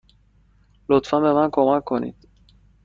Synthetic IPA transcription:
lɔt̪famɛvakɔmakonḭt̪

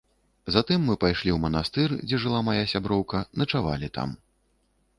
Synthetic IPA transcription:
zat̪ɨmːɨpajʂlʲiwmɐnast̪ɨrd͡zʲɛʐɨlˠamajasʲabɾɔwkɐnɐt͡ʂava̰lʲit̪a̰m

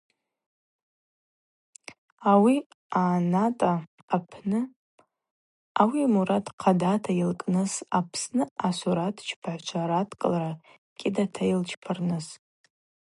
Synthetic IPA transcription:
awi | aːnatʼaː | pʰnɨ | awimuɾatqʰadatʰailkʼnɨsapʰsnɨasuɾatʰt͡ʃʰpʰaʕʷt͡ʃʷʰaɾatʰkʼɨlaɾa | kʲʼɪdatʰajilt͡ʃʰpʰarnɨs

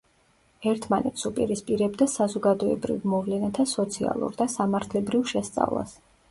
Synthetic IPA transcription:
ɛɾt̪ʰmanɛt̪supʼiɾispʼiɾɛbd̪asazɔɡad̪ɔɛbɾḭvmɔvlɛnat̪ʰasɔt̪sʰia̰lˠṵɾd̪asamaɾt̪ʰlɛbɾivʃɛst̪sʼa̰vlˠa̰s

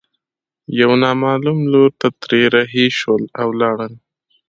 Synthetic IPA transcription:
jawnɑːmɑlumloɾt̪at̪ɾeɾaɦeʃwəlawlɑːɽəl

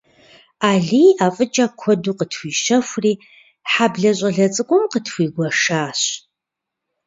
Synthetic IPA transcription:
aːɮiːaːfʼɨt͡ʃʼakʷʰɔduːqətʰwʷiːʃɐfʷriː | ħabɮɐɕʷʼɐɮɐt͡sʼɨkʷʼʊmqətʰwʷiːɡʷɐʂaːɕ

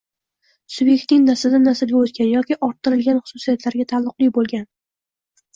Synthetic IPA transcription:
sʊbje̞k̚ʲt̪nɪŋnasad̪anasɪlɡʲaɵzɡʲanjɒkʲɪʔɒɾt̪ʰːɪɾɪlɡʲanχʊ̥sʊsijat̪ʰlaɾɡʲat̪ʰalˠːʊqlˠɪjʲbolˠɡʲan

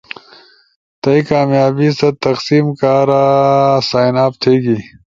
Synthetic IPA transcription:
t̪ɐikaːmjaːbisɐt̪ɐksiːmkaːɾasaːjnaːpt̪ʰeːɡi

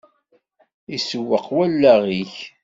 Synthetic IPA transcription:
isəwːəqwælːæʁiç

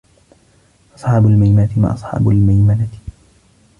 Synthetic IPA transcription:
ʔɑ̥sˤħɑːbʊlmajmaːt̪ɪma̰ːʔɑsˤħɑ̰ːbʊlmajmalat̪

